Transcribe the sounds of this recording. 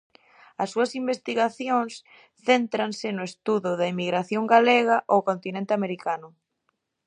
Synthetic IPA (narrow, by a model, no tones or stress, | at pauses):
ɐsːuɐsimbest̪iɣaθjoŋs | θent̪ɾansɪnʊest̪uðʊðɐimiɣɾaθjoŋɡaleɣ̞ɐʔowkont̪inẽnt̪ɪameɾikanʊ